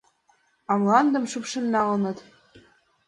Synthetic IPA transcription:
ɑmlˠɑnd̪ɤ̆mʃypʃɘ̆nːɑʁɤ̆nɤ̆t̪

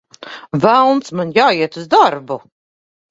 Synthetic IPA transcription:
vælˠnt̪smanjaːiɛt̪uzd̪aɾbu

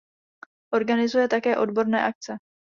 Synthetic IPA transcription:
ʔo̞ɾɡanɪzujɛt̪akɛːʔo̞dbo̞ɾnɛ̰ːʔak̚t͡sɛ

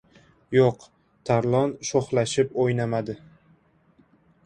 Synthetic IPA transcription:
joq | t̪ʰaɾlˠɒnʃoχlaʃɪpojnamad̪ɪ

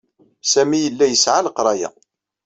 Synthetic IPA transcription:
sæmijəlːæjəsʕaləqɾˤɑjæ̰

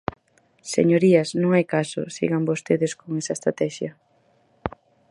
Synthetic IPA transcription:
sḛɲoɾiɐsnõŋajkasʊ̰sḭɣambost̪eðeskoŋɛsɐest̪ɾat̪ɛʃjɐ

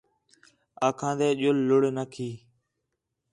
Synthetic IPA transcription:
aːkʰãːd̪eːʄʊlːʊɽeːnakʰiː

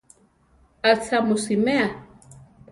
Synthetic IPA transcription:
at͡sʰamʊsimɛa

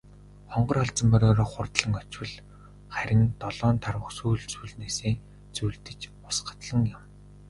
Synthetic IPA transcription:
χɔɴɢɞ̆rχɔɮt͡sə̆mpœɾoːɾɔːχʊrt̪ɮə̆ŋɔt͡ɕwɘ̆ɮ | χæɾʲɪ̆nt̪ɔɮɔːnt̪ʰarwə̆χsuːɮt͡suːɮneːseː | t͡sujɮt̪ɘ̆t͡ɕ | ʊsɢə̆t̪ɮə̆ŋjʊm

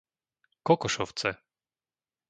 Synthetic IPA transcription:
kɔkɔʃɔft̪sɛ

